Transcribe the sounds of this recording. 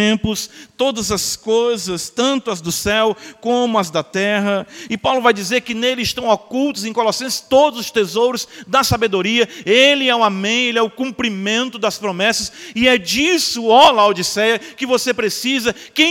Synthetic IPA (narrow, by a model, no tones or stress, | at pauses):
ẽmpʊst̪od̪ɐzɐskojzɐst̪ɐ̃nt̪ʊɐzd̪ʊsɛwkõmʊɐzd̪ɐt̪ɛɦɐɪpawlʊvajd͡ʒizeɾkɪnelɪːʃt̪ɐ̃w̃okuwt̪ʊzẽj̃kolɔsẽsɪ̥t̪od̪ʊzʊst̪ezowɾʊzd̪ɐsabed̪oɾiɐelɪɛʊamẽj̃elɛʊkũmpɾimẽnt̪ʊd̪ɐspɾomɛsɐsɪɛd͡ʒisʊolawd͡ʒisɛjɐkɪvosepɾesizɐkẽ